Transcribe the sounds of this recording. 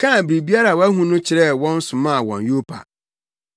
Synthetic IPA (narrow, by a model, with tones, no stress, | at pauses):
kʰã˦˨bɾi˨bi˦a˦ɾa˨wæ˦ɦũ˦nʊ̃˦t͡ɕʰɪ˨ɾɛ˦wɔ̃˦n̩˦sʊ̃˨mã˦˨wɔ̰̃˨njo˦pʰa̰˨